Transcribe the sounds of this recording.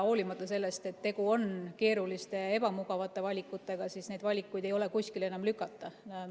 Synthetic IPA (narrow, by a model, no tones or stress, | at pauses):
o̞ːlimɑt̪ːˑɑse̞lːe̞st̪e̞t̪ːe̞ɡuo̞nke̞ːɾulist̪e̞e̞b̥ɑmuɡɑvɑt̪ːˑe̞vɑlʲikːˑut̪ːˑe̞ɡ̥ɑsiːsne̞jd̪̥vɑlʲikːˑujd̪̥e̞jo̞le̞kusʲkile̞nɑmlykːˑɑt̪ˑːɑ